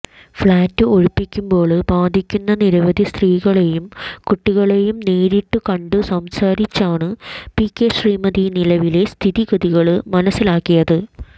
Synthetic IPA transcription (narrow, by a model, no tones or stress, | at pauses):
fɭaːtːɨoɻipːikʲːumbo̞ːɭɨbaːd̪ʱikʲːunːɐniɾɐʋɐd̪ʱist̪riːɣɐɭejumkuʈːiɣɐɭe̞jumneːɾiʈːukɐɳɖɨsɐmsaːɾit͡ɕːaːɳɨpikːeʂriːmɐðinilɐʋile̞st̪ʰiðiɣɐðiɣɐɭɨmɐnɐsːilaːkːijɐðɨ